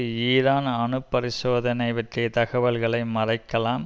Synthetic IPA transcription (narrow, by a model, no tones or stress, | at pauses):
iːɾaːnɐnɯpːɐɾɪsoːðɐnɐɪʋɐʈret̪ɐɣɐʋɐlɣɐɭɐɪmɐrɐɪkːɐlaːm